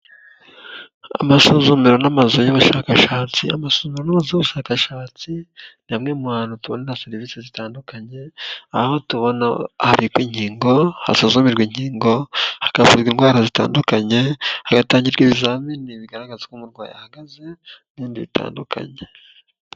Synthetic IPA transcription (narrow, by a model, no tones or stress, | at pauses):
a̰masozumiɾo̞namazojoβuʃaːkaʃaːt͡sḭamasozumiɾonamazojoβuʃaːkaʃaːt͡sinamŋemuhaːnutuβonanaseɾiviːsezitaːndukaɲe̞ahahotuβo̞nahaβikwiːɲhiːŋɡo̞ha̰suzumiɾɡwiɲɟiːŋɡo̞hḁkavuzɡwinɡwaːɾazita̰ːndukaɲe̞haɡataːɲɟiɾɡwiβizaminiβiɡaɾaɡazakumuɾɡwa̰ːja̰haɡaze̞niːndiβita̰ːndukʰa̰ɲe